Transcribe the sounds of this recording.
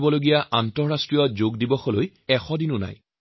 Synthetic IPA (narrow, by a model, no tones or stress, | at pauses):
bɔloɡijaʔantɔɹɹastɹijɔzoɡdibɔxɔloj | ɛxɔdinʊna̰j